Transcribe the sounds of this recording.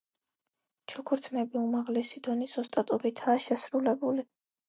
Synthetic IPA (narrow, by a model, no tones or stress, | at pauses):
t͡ʃʰukʰuɾt̪ʰnɛbiumaʁlɛsid̪ɔnisɔst̪ʼat̪ʼɔbit̪ʰaːʃɛsɾulɛbuli